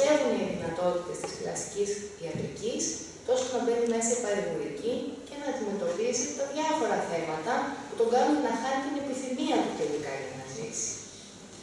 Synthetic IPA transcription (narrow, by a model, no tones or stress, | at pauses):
e̞vuniɐðinɐt̪o̞t̪it̪e̞st̪isflɐ̰si̥cisðiɐt̪ɾicis | t̪o̞sonɐve̞ninesepɐɾivoɾicice̞nɐːd̪ime̞t̪o̞pisit̪ɐðʝɐfo̞ɾɐθe̞mɐt̪ɐput̪o̞ŋɡɐnunenɐxɐnit̪ine̞piθimiɐt̪ut̪e̞likɐ̰enɐzḭsi̥